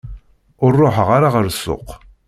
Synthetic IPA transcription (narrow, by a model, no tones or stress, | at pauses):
ʊrˤːoħəʁaɾaʁəɾsːo̰q